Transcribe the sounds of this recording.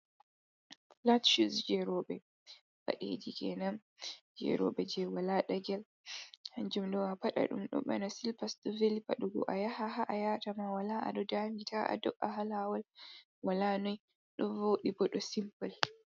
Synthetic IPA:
latʃusd͡ʒɛɾɔɓɛ | ba̰ɗḛd͡ʒikɛnam | d͡ʒɛ̰ɾɔ̰ɓɛd͡ʒɛwalaɗaɡɛl | haɲd͡ʒumdɔwapaɗa̰ɗṵmɗɔ̰ɓa̰nasilpasɗɔvelipaɗɔɡɔ̰ʔajahahaʔajatamawalaʔa̰ɗɔdamitaʔa̰dɔʔaɦalawal | walanɔj | ɗɔnvoːɗibɔɗɔsimpal

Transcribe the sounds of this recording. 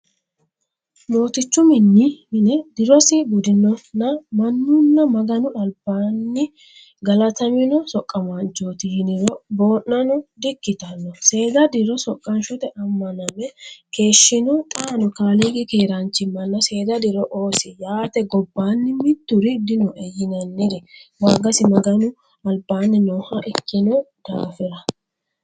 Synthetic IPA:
no̞ːt̪ɪt͡ʃːʊmɪnːɪhɪnɛd̪ɪɾɔsɪbʊd̪ɪnːɔnːɐmɐnːʊnːɐmɐɡɐnʊᶑɐlbaːnːɪ | ɡɐlɐt̪ɐmɪnɔsɔkʼːɐmɐnt͡ʃːoːt̪ɪjɪnɪɾɔbo̞ːʔnːɐnɔd̪ɪkːɪt̪ɐnːɔse̞ːd̪ɐd̪ɪɾɔsɔkʼːɐnʃɔt̪ɛʔɐmːɐnɐmɛke̞ːʃːɪnɔt̪ʼaːnɔkaːliɡɪkeːɾɐnt͡ʃːɪmɐnːɐse̞ːd̪ɐd̪ɪɾɔʔoːsɪjaːt̪ɛɡɔbːaːnːɪmɪt̪ːʊɾɪd̪ɪnɔʔɛjɪnɐnːɪɾɛwaːɡɐsɪmɐɡɐnʊ | ɐlbaːnːɪnoːhɐʔɛkːɪnɔ | d̪̥a̰ːfɪɾɐ

